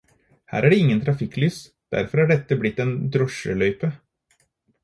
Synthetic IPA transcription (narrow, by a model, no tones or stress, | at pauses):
hæ̰ːɾæɖɛɪŋːənt̪ʰɾɑfɪkːlyːs | d̪̥æ̰ɾfɔɾæɖɛt̪ːəblɪt̪ːɛːnd̪ɾɔʂə̰lœʏpə